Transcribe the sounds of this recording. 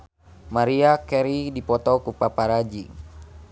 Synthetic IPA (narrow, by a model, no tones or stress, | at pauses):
maɾiakɛɾidipɔt̪ɔkupapaɾad͡ʒi